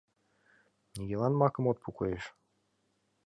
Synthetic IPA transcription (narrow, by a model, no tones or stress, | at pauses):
nʲiɡʲelˠɑnmɑkɤ̆mot̪̚pʰukojeʃ